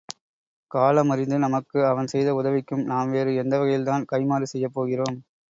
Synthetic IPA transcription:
kaːlɐmɐɾɪnd̪ɯnɐmɐkːɯɐʋɐnsɛjðɐʊðɐʋɪkːɯmnaːmʋeːɾɯɛnd̪ɐʋɐɣɐjɪlt̪aːnkɐɪmaːɾisɛjːɐpːoːɣɪroːm

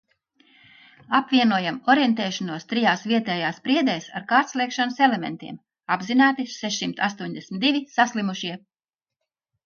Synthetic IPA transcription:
apvʲiɛnuɔjamɔɾjɛnt̪ɛːʃɔnuɔst̪ɾijaːsviɛt̪ɛːjaːspɾiɛd̪ɛːsa̰ɾkaːɾt̪sliɛkʃanselemḛnt̪ḭɛm | abzinaːt̪isɛʃsimt̪ast̪uɔɲʲd̪esmʲit̪d̪iʋʲisaslˠimuʃiɛ

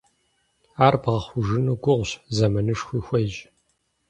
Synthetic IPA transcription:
aːrbʁɐχʷʊʒɨnuɡʷʊʁʷɕzɐmɐnɨʂxʷiːxʷɐjʒ

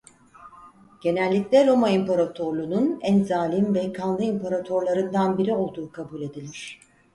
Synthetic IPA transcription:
ɟ̥e̞nælʲːiclʲɛɾo̞maimpaɾat̪ʰo̞ɾlˠununænzaːlʲimvɛkʰanˠlˠɯimpʰaɾat̪ʰo̞ɾlˠaɾɯnd̪anbiɾio̞lˠd̪uːkʰabulʲe̞d̪ilʲiɾ̝̥

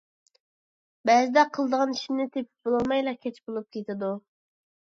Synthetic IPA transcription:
bɛzɪd̪ɛqʰəlˠd̪əʁɑniʃinɪt̪ʰepʰɪ̥p̚b̥olˠɑlˠmɑjlˠɑkʲʰɛt͡ʃʰbolˠup̚kʲʰet̪ʰɪd̪u

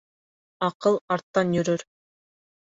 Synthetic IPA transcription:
ɑqɤlˠɑɾt̪ːɑnjɵɾøɾ

